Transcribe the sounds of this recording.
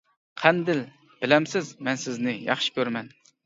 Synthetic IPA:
qʰænd̪ɪl | b̥ɪlɛmsɪzmɛnsɪznɪjɑ̰χʃɪ̥kʲʰøɾmɛn

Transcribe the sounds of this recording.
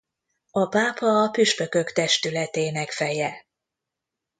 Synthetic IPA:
ɒpaːpɒːpyʃpø̞kø̞kt̪ɛʃt̪ylɛt̪eːnɛkfɛjɛ

